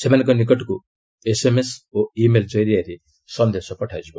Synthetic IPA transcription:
semanẽŋkɔnikɔʈɔku | esemesoimeld͡ʒɔjɾiaɾi | sɔnd̪esɔpɔʈʰajd͡ʒibɔ

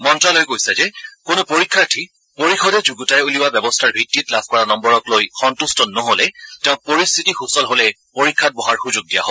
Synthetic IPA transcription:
mɔntɹalojkojsɛd͡ʒɛkʊnʊpoɹikʰːaɹtʰi | poɹixʰɔdɛd͡ʒuɡutajɛuliwabjɛbɔstʰaɹbʱitːitlabʱkɔɹanɔmbɔɹɔklojxɔntustɔnːɔɦolɛtɛʊ̃poɹist̪ʰitixusɔlɦolɛ | poɹikʰːat̚bɔɦaɹxuzʊɡ̚dija̰ɦob

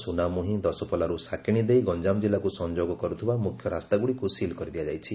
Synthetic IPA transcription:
sunamuɦĩd̪ɔsɔpɔlaɾusakʰiɽ̃id̪ejɡɔnd͡ʒamd͡ʒilːakusɔnd͡ʒoɡɔkɔɾut̪ʰibamukʰjɔɾast̪aɡuɽikusilkɔɾid̪iad͡ʒajt͡ʃʰi

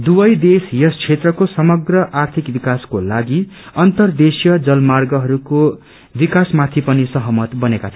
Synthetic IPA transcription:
d̪ubʌjd̪esjʌst͡sʰet̪rʌkosʌmʌɡrʌʔart̪ʰikbikaskolaɡiʌnt̪ʌrd̪esjʌd͡zʌlmarɡʌɦʌɾuko | bikasmat̪ʰipʌnisʌɦʌmʌt̪bʌnekat͡sʰʌn

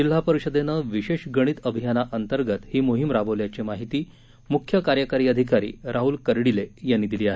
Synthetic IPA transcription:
d͡ʑil̤apəɾiɕəd̪enəʋiɕeɕɡəɽ̃iːt̪əbʱijanaʔənt̪əɾɡət̪hiːmuɦimɾabəʋljat͡ɕemaɦit̪iː | mukʰjəkaɾjəkaɾiːəd̪ʱikaɾḭːɾʔaɦulkəɾɽilejanːiːd̪iliːaɦe

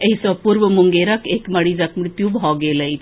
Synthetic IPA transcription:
əɦisɔpuɾʋəmuŋɡeɾəkekməɽid͡zakmɽt̪jũbɦɔɡeləit̪

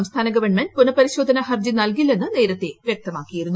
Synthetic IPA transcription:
ɐmst̪ʰaːnɐɡɐʋɐɳmend̚punɐpɐɾiɕoːd̪ʱɐnɐhɐrd͡ʑinɐlkilːe̞nːɨne̞ːɾɐt̪ːeʋjeɐk̚t̪ɐmaːkːijiɾunːu

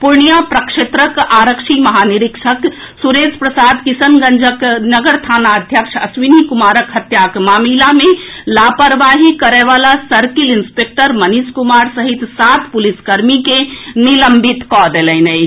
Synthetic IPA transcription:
puɾɳijapɾəkʃet̪ɾəkaɾəkʃʰiməɦaniɾikʃʰək | suɾed͡ʒpɾəsad̪kisənɡənd͡ʒəknəɡəɾt̪ʰanaəd̪ʱjəkʃʰəsʋinikumaɾəkɦət̪jakmamilamelapəɾʋaɦikəɾɛʋalasəɾkilinspek̚ʈəɾməniskumaɾsəɦit̪sat̪ʰpuliskəɾmikeniləmbʱit̪kɔd̪elɛnə

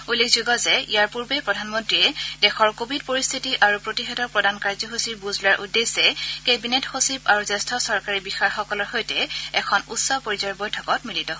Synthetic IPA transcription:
ulːekʰzuɡɔzɛijaɹpuɹbepɹɔdʱanmɔntɹiɛdɛxɔɹkobʱid̚poɹist̪ʰitiʔaɹupɹotixɛdɔɹpɹɔdankaɹzɔɦosiɹbuzlʊaɹʔudesɛkebinetxosipaɹuzɛstʰɔsɔɹkaɹibixaɹxɔkɔlɔɹxojtɛɛkʰɔnutsɔpoɹizɔɹbojtʰɔkɔtmilitɔɦo

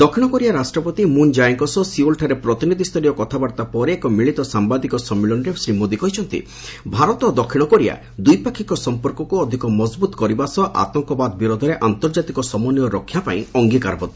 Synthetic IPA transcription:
d̪ɔkʰiɽ̃ɔkɔɾiaɾasʈɾɔpɔt̪imund͡ʒajeŋkɔsɔsiolʈʰaɾepɾɔt̪inid̪ʱist̪ʰɔɾijɔkɔt̪ʰabaɾt̪apɔɾeːkɔmiɭit̪ɔsambad̪ikɔsɔmːilɔɳɾesɾimod̪ikɔɦit͡ʃʰɔnt̪ḭ | bʱaɾɔt̪ɔd̪ɔkʰiɽ̃ɔkɔɾia̰ | d̪ujpakʰikɔsɔmpɔɾkɔkuɔd̪ʱikɔmɔzbut̪ɔkɔɾibasɔʔa̰t̪ɔŋkɔbad̪ɔbiɾod̪ʱɔɾeʔant̪ɔɾd͡ʒat̪ikɔsɔmɔnijɔɾɔkʰjapaĩɔŋɡika̰ɾbɔt̪

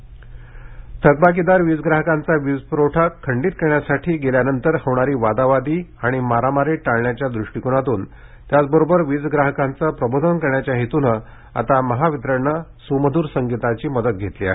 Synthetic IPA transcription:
t̪ʰəɡ̚bak̬id̪aɾʋid͡zɡɾaɦəkant͡saʋid͡zpɾoʈʰakʰːəɳɖiːt̪̚kəɾɳjasaʈʰiːɡeljanənt̪əɾhəʋɳaɾiːʋad̪aʋad̪iːaɽ̃imaɾamaɾeʈaɭɳjat͡ɕjad̪ɾuʂʈikunat̪uːn | t̪jat͡sbəɾobəɾʋid͡zɡɾaɦəkãnt͡səpɾəbod̪ʱənkəɾɳjat͡ɕjaɦet̪unə | a̰t̪aməɦaʋid̪ɾəɾɳəsuməd̪ʱuːɾsəŋɡit̪at͡ɕiːməd̪ət̪̚ɡʱet̪lia̰ɦe

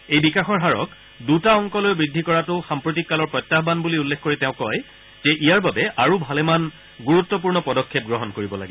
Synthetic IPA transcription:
ejbikaxɔɹɦaɹɔ̰k | dutaɔŋkɔlojbɹidʱikɔɹatʊxampɹotikːalɔɹpɹɔjtːaɦbanbuliulːexkoɹiteʊ̃kɔj | z̥ɛʔijaɹbabɛʔaɹubʱalɛman | ɡuɹut̪ːɔp̬uɹnɔpɔdɔkʰːep̚ɡɹɔɦɔnkoɹibɔla̰ɡibɔ

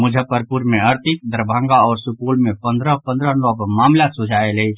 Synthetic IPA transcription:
mʊd͡ʒʱəpəɾpuɾmẽəɾt̪it̪̚d̪əɾəbʱãːŋɡaɔːɾsʊpulmẽpənd̪ɾəpə̃nd̪ɾənɔbmaːmlaːt̪sʊd͡ʒʱaeləi

